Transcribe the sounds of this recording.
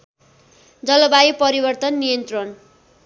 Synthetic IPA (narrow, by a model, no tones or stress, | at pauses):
d͡zʌlʌbajupʌɾibʌrt̪ʌnːijʌnt̪rʌn